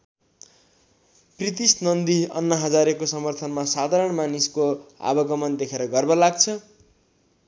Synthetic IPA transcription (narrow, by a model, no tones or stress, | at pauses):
prit̪isnʌnd̪iʌ̰nːʌɦʌd͡zaɾekosʌmʌrt̪ʰʌnmasad̪ʱaɾʌɳmaniskoa̰bʌɡʌmʌnd̪ekʰeɾʌɡʌrbʌlaɡ̚t͡sʰʌ